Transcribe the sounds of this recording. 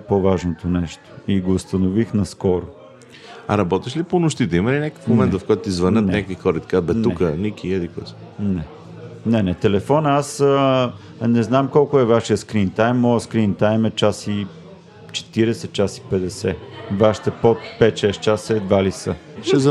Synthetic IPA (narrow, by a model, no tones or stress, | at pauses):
ɛpovaʒnot̪onɛʃt̪o̥iɡoːst̪ɐnovixnɐskɔɾo | ɐ̰ɾɐbɔt̪iʃliponʊʃt̪it̪ɛimɐlinʲakəkə̥fmomɛnt̪d̪vɐfkɔjt̪ʊizvɐnət̪nʲakvixɔɾəit̪ɐ̥kabɛtnuɛkənikiɛd̪ikɔs | nɛ | nɛnɛt̪ɛlɛfɔnəasə | nɛznamkɔlˠkʊɛvaʃijəskɾint̪ajmːɔjəskɾint̪ajmɛt͡ʃasi | t͡ʃɛ̥t̪iɾɛsɛt͡ʃasi̥pɛd̪ɛsɛvaʃi̥t̪ɛpot̪̚pɛt̪ʃɛst͡ʃasɛd̪valisə̰ʃɛz